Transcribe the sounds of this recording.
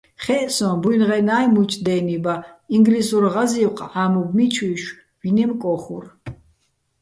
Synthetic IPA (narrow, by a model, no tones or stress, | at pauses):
χɛʔsɔ̃bujnʁɛnajmut͡ʃʼd̪ɛnibaiŋɡlisuɾʁaziwqʰʼamub̚mit͡ʃʰwiʃ | vinɛmkʼɔχṵr